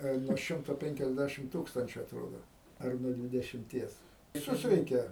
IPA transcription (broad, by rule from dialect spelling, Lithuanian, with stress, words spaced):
ɐ ɪ nuɔ ˈʃʲɪmtoː pʲɛŋʲkʲɛzʲˈdʲæʃʲɪm ˈtuːkstɐnʲt͡ʃʲuː ɐtˈroːdoː ˈɐr nuɔ dʲʋʲɪdʲɛʃʲɪmʲˈtʲiɛs ʋʲɪˈsʊs ˈrʲɛɪkʲɛ